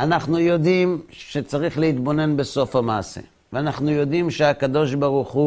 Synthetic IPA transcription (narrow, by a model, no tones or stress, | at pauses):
anaχnujo̞d̪imʃe̞t͡saʁiχleit̪bo̞ne̞nbe̞so̞famaːse̞̰ | veanaχnujo̞d̪imʃeakad̪o̞ʃbaʁuχu